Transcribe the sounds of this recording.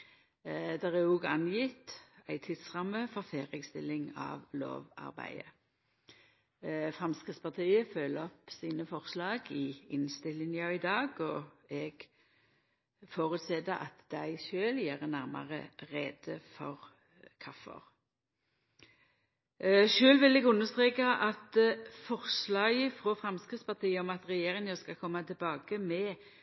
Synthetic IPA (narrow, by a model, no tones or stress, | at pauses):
d̪ɛʁɛuːɡɑnjɪt̪æɪt̪ʰɪd̪̥sʁɑmːəfɔʁfeːʁəɡst̪ɪlːɪŋɑ̰ːʋlo̰ːʋɑ̰ʁbæ̰ɪə | fʁɑmskʁɪtspɑt̪ʰiːəføləɔpsiːnəfɔʁslɑːɡɪɪnst̪ɪlːɪŋjɑɪd̪ɑːɡɔɛɡ̥ | foːʁʉt̪sɛd̪əʔɑ̰t̪d̪̥æɪʃøːljæːʁənæʁmɑ̰ʁə̰ʁɛːd̪̥əfɔ̰ʁ | kʰɑfːə̰ʁ | ʃøːlʋɪlɛɡʉnːəst̪ʁeːkaʔɑt̪fɔʁslɑːɡəfʁoːfʁɑmskʁɪt̪spɑt̪ʰiːəɔmɑt̪ʁɛjeːʁɪŋəskɑkʰɔmːɑt̪ʰɪlbɑːkəmɛ